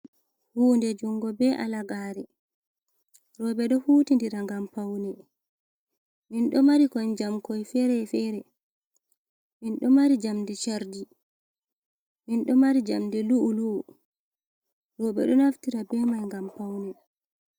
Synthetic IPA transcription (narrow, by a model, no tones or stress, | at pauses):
huːndɛd͡ʒuŋɡɔbɛʔa̰laɡaɾɛ | ɾɔɓɛɗɔhuːtindiɾaŋɡampawnɛ | minɗɔmaɾikɔnd͡ʒamkɔjfɛɾɛfɛɾɛ | minɗɔmaɾid͡ʒamdɛt͡ʃaɾdi | minɗɔmaɾid͡ʒamdɛluʔːluʔu | ɾɔɓɛ̰ɗɔnaftiɾabɛːmajŋɡampawnɛ